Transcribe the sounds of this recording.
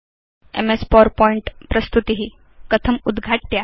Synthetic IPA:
ḛmespɔɾpɔiɳʈpɾəst̪ut̪iɦi | kət̪ʰəmud̪ɡʱaʈːja

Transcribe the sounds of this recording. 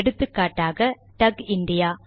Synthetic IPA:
ɽɯt̪ːɯkːaːʈːaːɣɐ | ʈɐɡinɖija

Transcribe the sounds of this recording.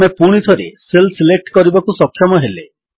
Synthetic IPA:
epuɽ̃it̪ʰɔɾeselsilek̚ʈkɔɾibakusɔkʰːjɔmɔɦele

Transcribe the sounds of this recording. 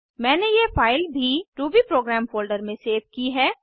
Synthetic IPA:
mɛ̃ːnejefaːɪlbʱiɾuːbipɾoːɡɾɛːmfoːlɖəɾmẽseːʋkiɦɛː

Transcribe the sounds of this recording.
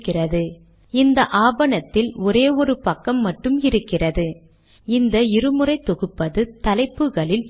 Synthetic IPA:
kːɪrɐðɯ | ɪnd̪ɐʔaːbɐnɐt̪ːɪlɔɾeːɔɾɯpɐkːɐmːɐʈːɯmɪɾɯkːɪrɐðɯ | ɪnd̪ɐɪɾɯmɯrɐɪt̪ːɔɣɯpːɐðɯt̪ɐlɐɪpːɯɣɐɭɪl

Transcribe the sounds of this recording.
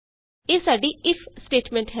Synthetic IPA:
eːsaːɖiːɪpʰsʈeːʈmɛ̃ːɳʈɦɛ

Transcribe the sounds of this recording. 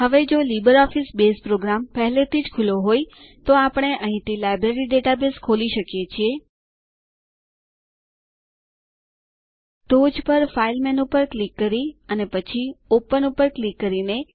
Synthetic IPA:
ɦəʋed͡ʒolibəɾɔfisbespɾoɡɾampɛɦlet̪ʰid͡ʒkʰuloɦoj | t̪oapəɳ̃eʔəɦĩt̪ilajbɾeɾiɖeʈabeskʰoliʃəkjet͡ʃʰie | ʈod͡ʒpəɾfailmɛnupəɾklikːəɾiənepət͡ʃʰiopənupəɾklikːəɾine

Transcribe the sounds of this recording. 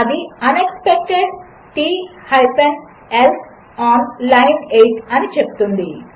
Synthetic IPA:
ɐd̪iɐnekspek̚ʈeɖ | ʈihajpeɳ | el | ɔːnlajneʈɐnit͡ʃep̚t̪und̪i

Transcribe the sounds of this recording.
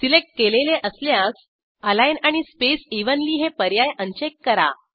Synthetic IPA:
silek̚ʈ̚keleleʔəsljãs | əlajnaɽ̃ispesiʋənliːɦepəɾjajʔənt͡ɕekːəɾa̰

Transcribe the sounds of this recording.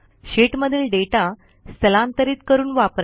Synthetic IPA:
ɕeʈməd̪ʱiːlɖeʈa | st̪ʰəlãnt̪əɾiːt̪kəɾuːnʋapɾ

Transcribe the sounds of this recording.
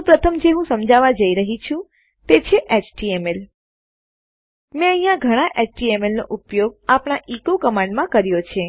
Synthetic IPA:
ũpɾət̪ʰəmd͡ʒeɦũsəmd͡ʒaʋad͡ʒəiɾəɦit͡ʃʰũ | t̪et͡ʃʰeʔet͡ʃʈiemel | mɛ̃əɦjãɡʱəɽ̃aʔet͡ʃʈiemelnoʔupjoɡ̚apɳ̃aʔikokəmãɳɖmãkəɾjot͡ʃʰe

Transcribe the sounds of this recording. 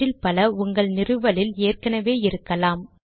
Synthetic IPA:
ɪlpɐlɐʊŋɡɐɭnɪrɯʋɐlɪleːrkɐnɐʋeːɪɾɯkːɐlaːm

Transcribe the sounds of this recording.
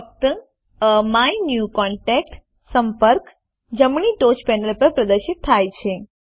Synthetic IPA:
k̚t̪ə | əmainjukɔɳʈɛk̚ʈ | səmpəɾk | d͡ʒəmɳiʈot͡ʃpɛnəlpəɾpɾəd̪əɾʃɪt̪ʰːajt͡ʃʰe

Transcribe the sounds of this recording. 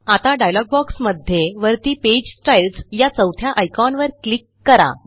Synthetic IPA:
at̪aɖajlɔɡ̚bɔksməd̪ʱjeʋəɾt̪iːped͡ʑsʈajlsjat͡səwt̪ʰjaʔəjkanʋəɾklikːəɾa̰

